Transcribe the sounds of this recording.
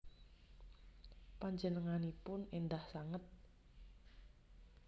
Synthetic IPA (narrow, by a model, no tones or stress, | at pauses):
paɲd͡ʒənəŋanipʊnend̪ahsaŋət̪̚